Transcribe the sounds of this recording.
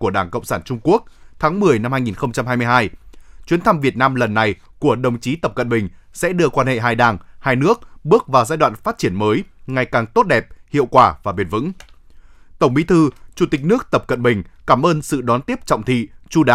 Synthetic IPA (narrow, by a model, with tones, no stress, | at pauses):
ku˧˩əɗaː˧˩ŋkə̰˧˨wŋ͡msaː˧˩nt͡ɕʊ˧ŋ͡mku˦˥ək̚t̪ʰaː˨˦ŋmɨ˨˩əjna˧mhaː˧jŋi˨˩nxə˧wŋ͡mt͡ɕa˧mɦaː˧jmɨ˧əjɦaː˧jt͡ɕwi˨˦nt̪ʰa˧mvi˨˩ət̚naː˧mlə˨˩nːa˨˩j | ku˧˩əɗə˨˩wŋ͡mt͡ɕi˨˦t̪ə˨˩p̚kə̰˧˨nɓï˨˩ŋ̟sɛ̰˧˥ɗɨ˧əkwaː˧nhḛ˧˨ɦaː˧jɗaː˨˩ŋhaː˧jnɨ˦˥ək̚ɓɨ˦˥ək̚vaː˨˩wzaː˧jɗwa̰ː˧˨nfaː˦˥t̚t͡ɕi˧˩ənməː˨˦jŋa˨˩jkaː˨˩ŋt̪o˦˥t̚ɗɛ˨˩p̚hḭ˧˨əwkwaː˧˩vaː˨˩ɓi˨˩nvɨ̰˧˥ŋ | t̪ə˧˩wŋ͡mɓi˨˦t̪ʰɨ˧t͡ɕu˧˩t̪i˨˩k̚nɨ˦˥ək̚t̪ə˨˩p̚kə̰˧˨nɓï˨˩ŋ̟kaː˧˩mʔəː˧nsɨ̰˧˨ɗɔ˨˦nt̪i˦˥əp̚t͡ɕɔ̰˧˨wŋ͡mt̪ʰḭ˧˨t͡ɕu˧ɗaː˨˦